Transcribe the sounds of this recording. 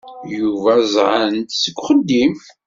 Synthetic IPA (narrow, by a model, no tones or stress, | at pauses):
juvæzˤʕənt̪səɡʷχəd̪ːim